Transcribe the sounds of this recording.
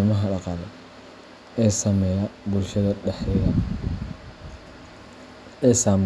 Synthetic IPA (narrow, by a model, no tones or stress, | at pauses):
mɐɦɐɖɑqɑːlɛ | ɛːsɐmɛjɐbʊlʃɐðɐɖɛħɛɣɐ | ɛːsaːm